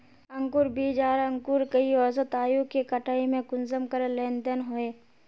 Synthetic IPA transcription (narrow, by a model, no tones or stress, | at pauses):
ə̃ŋkʊɾbiːd͡ʒaːɾə̃ŋkuɾkəiɔsət̪aːjũkekəʈaːimẽkʊnzəmkəɾelẽːnd̪ənɦoeː